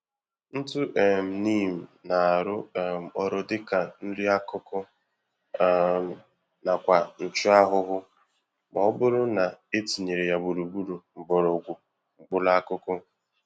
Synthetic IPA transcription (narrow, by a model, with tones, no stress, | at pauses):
n̩˦tu˦ʔe˨m̩˨niː˦m̩˨na˨a˨ɾʊ˦e˨m̩˨ɔ˦ɾʊ˦dɪ˦ka˨n̩˦ɾi˦a˦kʊ˦kʊ˦ | m̩˨ | na˨kʷa˨n̩˨t͡ʃʊ˦a˦ɦʊ˦ɦʊ˦ | mɔ˨˦bʊ˦ɾʊ˦na˨e˦ti˨ɲe˨ɾe˨ja˨bu˨ɾu˨ɡ͡bu˦ɾo˨ŋ͡m̩˨ɡ͡bɔ˨ɾɔ˨ɡʷu˨ | ŋ͡m̩˨k͡pʊ˦la˦kʊ˦kʊ˦